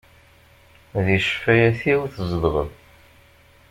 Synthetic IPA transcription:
ðiʃə̥fæjæθiwθəzəlʁə̰ð

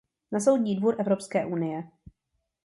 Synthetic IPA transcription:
naso̞wdɲiːdvuɾʔɛvɾopskɛːʔunɪjɛ

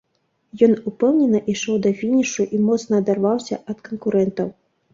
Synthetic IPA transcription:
jɔnupɛwnʲɛnɐʔiʂɔwd̪ɐfʲinʲiʂuʔimɔt̪snɐːd̪arvawsʲɐʔɐt̪kɐnkuɾɛnt̪ɐw

